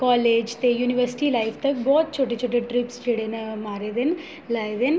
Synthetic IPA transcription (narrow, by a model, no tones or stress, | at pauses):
kaːleːd͡ʒt̪ejuːniʋɐɾsi̥ʈilɐjfʰt̪ɐkbɔːt̪̚t͡ʃoːʈːet͡ʃoːʈːeʈɾipsʈiɽenɐmaːɾed̪en | lɐːjd̪en